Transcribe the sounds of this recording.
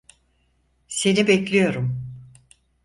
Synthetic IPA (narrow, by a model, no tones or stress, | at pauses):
se̞nibɛclʲijo̞ɾum